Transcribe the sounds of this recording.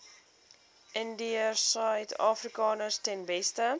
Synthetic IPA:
ʔɪndiəsœjtʰɑːfrikɑːnəstɛnbɛstə

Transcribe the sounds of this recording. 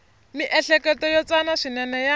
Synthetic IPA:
miʔɛɬɛkɛtɔjɔt͡sanaʂinɛnɛja

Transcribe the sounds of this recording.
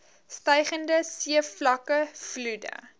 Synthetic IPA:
stɛjχəndəsiəflɐkəfludə̰

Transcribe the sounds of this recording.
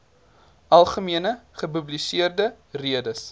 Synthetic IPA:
ʔɐlˠχəmiənəχəpʉblisiərdə | riədəs

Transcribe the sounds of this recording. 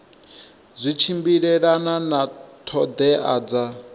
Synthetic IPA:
zʷit͡ʃʰimbiɺɛɺananat̪ʰɔd̪ɛʔaːd͡za

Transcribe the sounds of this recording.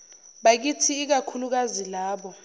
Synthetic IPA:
ɓak̬itʰiːk̬akʰuluk̬azilaːɓɔ

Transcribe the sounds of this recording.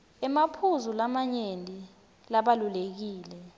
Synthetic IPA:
ɛmapʰuzulamaɲendʼʱi | laɓalulek̬iːlɛ

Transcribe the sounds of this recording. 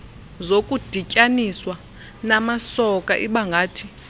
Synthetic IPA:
zokʼud̥ʱicʼaniswa | namasɔkʼaʔiɓaŋɡʱaːtʰi̥

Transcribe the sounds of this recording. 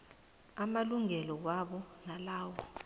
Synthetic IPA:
amaluŋɛlɔwaɓɔnalaːwɔ

